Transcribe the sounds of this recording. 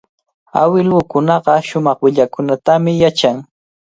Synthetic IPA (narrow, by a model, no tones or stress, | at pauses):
a̰wɪlʊkʊnɑɢɑʃʊmɑχwɪʎakʊnat̪amɪjat͡ʃaŋ